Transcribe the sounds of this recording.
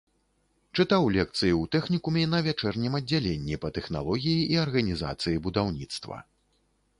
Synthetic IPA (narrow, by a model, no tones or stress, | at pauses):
t͡ʂɨt̪awlʲɛk̚t̪sɨjiuwt̪ɛxnʲikumʲɛnɐvʲat͡ʂɛrnʲimɐd͡zʲːalʲenʲːipɐt̪ɛxna̰lˠɔɣʲijiʔiɐrɣɐnʲiza̰t̪sɨjibud̪awnʲit̪st̪vɐ̰